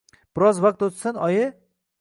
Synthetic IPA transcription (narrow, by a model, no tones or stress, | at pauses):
b̥ɪɾɒzvaq̚t̪ot̪sanɒjɪ